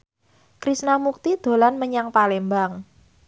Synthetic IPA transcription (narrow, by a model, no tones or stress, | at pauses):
kɾisnamuk̚t̪id̪̥o̤lanməɲaŋpalembaŋ